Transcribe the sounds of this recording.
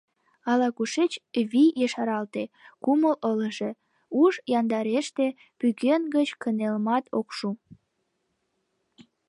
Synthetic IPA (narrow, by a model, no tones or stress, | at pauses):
ɑlɑkuʃet͡ɕβijeʃɑɾɑlt̪ekumələləʒe | uʒjɑnd̪ɑɾeʃt̪e | pyɣenɡət͡ɕkənelmɑt̪okʃu